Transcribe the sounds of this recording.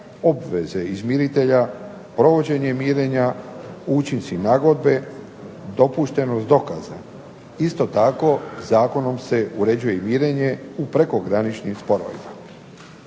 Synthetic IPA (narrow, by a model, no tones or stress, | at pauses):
o̞bʋeze̞izmiɾit̪e̞ʎa | pɾo̞ʋo̞d͡ʑe̞ɲe̞mjiːɾeɲaut͡ʃinsinaːɡo̞d̪be̞ | d̪o̞puʃt̪e̞nost̪d̪o̞kaza̰ | ist̪o̞t̪ako̞zaːko̞no̞mse̞ʔuɾe̞d͡ʑuje̞mjiːɾe̞ɲe̞upɾe̞ko̞ɡɾanit͡ʃnimspo̞ɾo̰ʋḭma